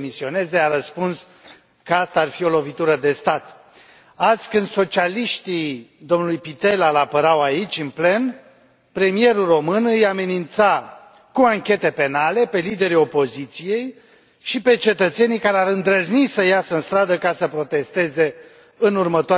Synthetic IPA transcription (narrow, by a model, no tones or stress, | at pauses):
misio̞ne̞ze̞aɾəspuns | kəast̪aːrfio̞lo̞vit̪uɾəd̪e̞st̪at̪ | azʲkɨnd̪so̞t͡ʃialiʃt̪id̪o̞mnulujpit̪e̞lalapəɾawait͡ʃʲɨnple̞n | pɾe̞mije̞ɾulro̞mɨnɨjame̞nint̪sa | kuaŋkʲe̞t̪e̞pe̞nale̞pe̞lid̪e̞ɾio̞po̞zit̪sije̞j | ʃipe̞t͡ʃe̞t̪ət̪se̞nijkaɾeaɾɨnd̪ɾəznisəjasəɨnst̪ɾad̪əkasəpɾo̞t̪e̞st̪e̞ze̞ | ɨnurmət̪oa